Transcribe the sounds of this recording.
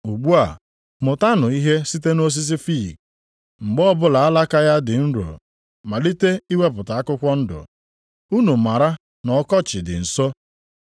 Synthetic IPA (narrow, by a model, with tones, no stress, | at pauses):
u˨ɡ͡bu˦a˨ | mʊ˨ta˦nʊ˨i˦ɦe˦si˦te˦no˦s̬i˦s̬i˦fḭ˦˨k | ŋ͡m̩˨ɡ͡bɔ˦bʊ˦la˨a˦la˦ka˦ja˦dɪ˨n̩˦ɾo̰˨ | ma˨li˦te˦i˦we˦pʊ˨ta˨a˦kʊ˦kʷɔ˦n̩˦dʊ̰˨ | u˦nu˨ma˨ɾa˦ | nɔ˨kɔ˦t͡ʃɪ˨dɪ̰˨n̩˨so˦